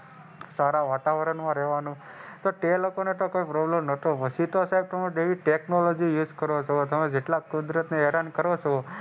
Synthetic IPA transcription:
saɾaʋat̪aʋəɾəɳmãɾɛɦʋanũ | t̪oʈt̪elokonet̪okoipɾɔblemnət̪oʋəsit̪osaib̚t̪əmẽɖeʋiʈeknolod͡ʒijud͡ʒkəɾot͡ʃʰot̪əmed͡ʒeʈlakud̪ɾət̪neɛɾankəɾot͡ʃʰo

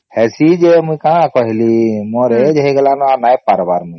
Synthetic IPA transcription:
hɛsid͡ʒemũjkãkɔɦilimoɾed͡ʒəiɡelanɔanajpaɾbaɾmu

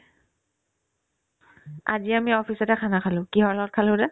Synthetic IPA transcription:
a̰ziamiɔpʰisɔtɛkʰanakʰalʊ̃kiɦɔɹlɔɔt̚kʰalʊ̃dɛ

